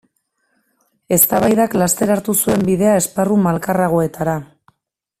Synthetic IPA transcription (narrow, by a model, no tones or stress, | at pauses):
e̞st̪aβajðaklast̪e̞ɾaɾt̪usue̞mbiðe̞ae̞sparumalkaraɣ̞o̞e̞t̪aɾa